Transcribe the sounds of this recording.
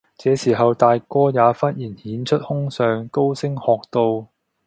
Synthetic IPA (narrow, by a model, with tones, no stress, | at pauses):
t͡sɛː˨˧siː˨˩ɦɐ˨wt̪aː˨jkɔː˥jaː˨˧faː˥t̚jiː˨˩nhiː˨˥nt͡ʃʰɵ˥t̚hʊ˥ŋsœː˨˧ŋko˥wsɪ˥ŋhɔː˧k̚t̪o˧w